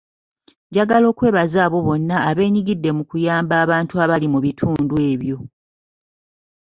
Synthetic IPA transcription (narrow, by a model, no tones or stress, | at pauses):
ɟaɡalo̞ːkwe̞ːβazaːβo̞βo̞nːaːβe̞ːɲiɡidːe̞mukujaːmbaːβaːntuaβalimuβitʰuːndue̞ːβjo̞